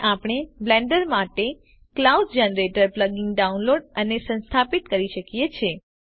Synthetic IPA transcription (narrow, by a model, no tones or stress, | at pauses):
ʔapɳ̃eblɛ̃ɳɖəɾmaʈe | klauɖd͡ʒɛnəɾeʈəɾpləɡɪ̃ŋɡɖaunloɖənesə̃nst̪ʰapit̪kəɾiʃəkijet͡ʃʰe